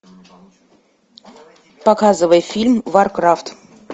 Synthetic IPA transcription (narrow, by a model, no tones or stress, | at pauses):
pakɑzəvəjfʲilʲmvarkraft̪